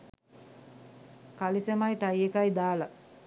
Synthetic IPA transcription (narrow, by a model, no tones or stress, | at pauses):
kalisemajʈajekajd̪aːlɐ